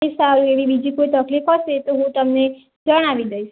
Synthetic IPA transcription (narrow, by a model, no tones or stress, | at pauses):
esalueʋibid͡ʒikoit̪əklifɦəʃet̪oɦũt̪əmne | d͡ʒəɽ̃aʋiɡəiʃ